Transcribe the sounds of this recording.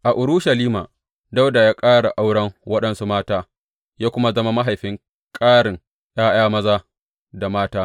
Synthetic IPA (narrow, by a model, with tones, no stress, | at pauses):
ʔa˨ʔʊ˨ɽʊ˦ʃa˨liː˦ma̰ː˨ | da˦wda˨jaː˦kʼaː˦ɽa˨ʔa˦wɽɐ˦ŋwɐ˦ɗɐ˨nsu˦maː˦taː˦ | jaː˦kʷʊ˦ma˦zɐ˦ma˦ma˦ɦa˨jɸɪ˦ŋ | kʼaː˦ɽɪ˨ŋ | j̰aː˦j̰aː˦mɐ˦zaː˦ | da˨maː˦taː˦